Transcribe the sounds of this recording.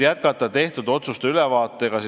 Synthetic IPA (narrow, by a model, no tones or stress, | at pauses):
jæt̪̚kɑt̪ːˑɑt̪e̞ht̪ud̪o̞t̪sust̪ylɛvɑːt̪ːˑe̞ɡ̥ɑs